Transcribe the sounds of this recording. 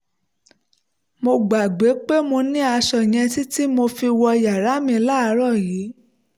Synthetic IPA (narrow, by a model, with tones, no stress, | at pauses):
mo˧ɡ͡ba˨ɡ͡be˨˦k͡pe˦mo˧nĩ˦a˧ʃɔ˧˨j̃ɛ̃˧ti˦ti˦mo˧fi˧wɔ˧ja˨ɾa˨˦mĩ˧la˦˧˦ɾɔ˦˨jiː˨˦